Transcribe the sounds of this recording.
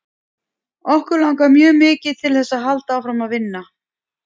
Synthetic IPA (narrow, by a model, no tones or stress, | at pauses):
ɔhkʏɾlawŋkamjœːmɪːcɪð̥t̪ʰɪlθɛsːaðɦalt̪aːwfɾamaðvɪnːa